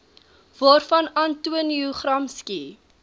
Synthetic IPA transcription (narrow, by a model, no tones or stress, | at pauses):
vɑːrfɐnɐntuəniuχrɐmski